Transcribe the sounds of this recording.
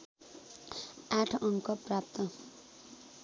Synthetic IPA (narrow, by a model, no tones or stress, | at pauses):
aʈʰʌŋkʌprap̚t̪ʌ